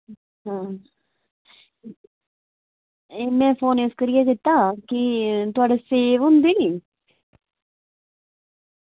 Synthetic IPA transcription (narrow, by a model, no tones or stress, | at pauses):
ɦãː | eːmɛ̃ːfoːneskəɾijakɪt̪ːaːkit̪ʊaːɖeseːʋɦʊ̃nd̪iniː